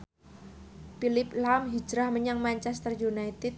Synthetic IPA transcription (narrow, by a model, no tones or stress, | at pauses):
pilɪplamɦid͡ʒɾahməɲaŋmaɲt͡ʃɛst̪ərjunajt̪ɛt̪̚